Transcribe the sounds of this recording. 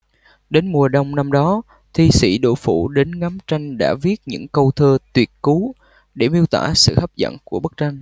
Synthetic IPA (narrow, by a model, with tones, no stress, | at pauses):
ɗe˨˦nmu˨˩əɗə˧˩wŋ͡mna˧mɗɔ˨˦ | t̪ʰi˧sḭ˧˥ɗo̰˧˨fṵ˧˩ɗe˨˦nŋa˨˦mt͡ɕa˧jŋ̟ɗa̰ː˧˥vi˦˥ət̚ɲɨ̰˧˥ŋkə˧wt̪ʰəː˧t̪wi˨˩ət̚ku˨˦ | ɗe˧˩mi˧əwt̪wa̰ː˧˩sɨ̰˧˨hə˦˥p̚zə̰˧˨nku˧˩əɓə˦˥k̚t͡ɕa˧jŋ̟